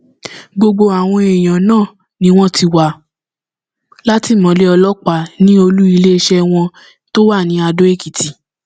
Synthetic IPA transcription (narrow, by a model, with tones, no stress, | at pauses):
ɡ͡bo˧ɡ͡bo˧a˨w̃ɔ̃˧e˨j̃ã˨nãː˦˨ | nĩ˦w̃ɔ̃˦ti˧wa˨ | la˦ti˦˨mɔ̃˨˦le˦ɔ˧lɔ˦k͡pa˨nĩ˦o˧lu˦i˧le˦˧ʃɛ˦w̃ɔ̃˧ | to˦wa˦˨nĩ˨˦a˧do˦e˦˨ki˨tʰi˨